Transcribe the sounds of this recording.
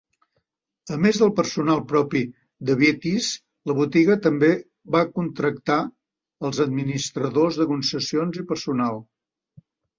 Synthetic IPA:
əmezðəlˠpəɾsunalˠpɾɔpi | d̪əβet̪is | ləβut̪iɣət̪əmbe | βakunt̪ɾək̚t̪a | əlˠzəd̪̚minist̪ɾəðozðəkunsəsionzipəɾsunalˠ

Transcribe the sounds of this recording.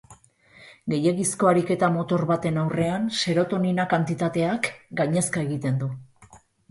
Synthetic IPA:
ɡe̞je̞ɣisko̞aɾike̞t̪amo̞t̪o̞ɾβat̪e̞nawre̞anse̞ɾot̪o̞ninakant̪it̪at̪e̞akɡaɲe̞skae̞ɣ̞it̪e̞nd̪u

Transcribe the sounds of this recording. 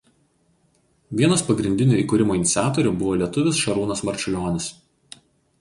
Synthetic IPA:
ʋʲiɛnospɐɡɾʲɪnʲd̪ʲɪnʲuːiːkuːɾʲɪmoːɪnʲɪt̪sʲaːt̪ɔɾʲuːbʊʋoːlʲiɛt̪ʊʋʲɪsʃɐɾuːnɐsmɐɾʲt͡ʃʲʊlʲoːnʲɪs

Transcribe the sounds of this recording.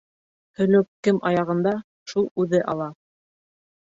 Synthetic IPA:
hɵ̆lɵk̚kɘmʔɑjɑʁɤ̆nd̪ɑ | ʃulˠʉðɘʔɑ̰lˠɑ

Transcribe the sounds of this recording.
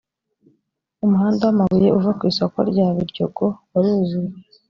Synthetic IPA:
umuɦaːndawamaɡuje̞ʔuvakwiːso̞ko̞̰ɾɟaːβiɾɟoɡowaɾuːzue

